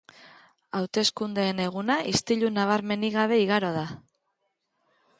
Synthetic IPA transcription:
awt̪e̞skund̪e̞ːne̞ɣ̞unaʔist̪iʎunaβ̞aɾme̞niɣaβe̞iɣaɾo̞ð̞a

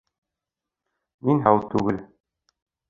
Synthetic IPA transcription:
minɦæwt̪ʉɡɘl

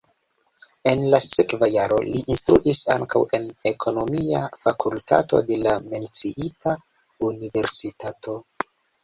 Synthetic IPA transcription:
e̞nlasekvajaɾo̞̰liʔːnstɾuʔisa̰ŋkawe̞ne̞kʰo̞no̞miafakulta̰to̞̰de̞lame̞nt͡siʔita | unive̞ɾsitato̞

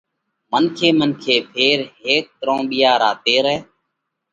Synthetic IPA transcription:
mənkʰeːmənkʰeːpʰeːɾɦeːk̚t̪ɾõːɓɪjaːɾaːt̪eːɾɛː

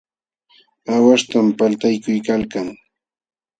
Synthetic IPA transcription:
awaʂt̪ampalt̪ajkʊjkalkaŋ

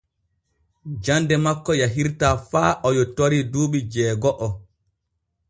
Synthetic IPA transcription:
d͡ʒandɛmakːɔjaɦiɾtaːfaːʔɔjɔtoɾiduːɓid͡ʒɛːɡɔʔɔ

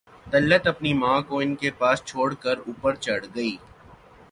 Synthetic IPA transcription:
t̪ɐlːət̪ɐpnimãːkoɪnkepaːst͡ʃʰoːɽkəɾuːpəɾt͡ʃɐɽɡɐiː

